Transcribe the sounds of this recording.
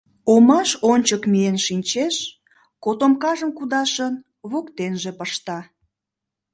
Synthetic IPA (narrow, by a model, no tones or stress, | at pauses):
omɑʃonʲt͡ɕəkmienʃinʲt͡ɕeʃ | kot̪omkɑʒəmkud̪ɑʃən | βokt̪enʒepəʃt̪ɑ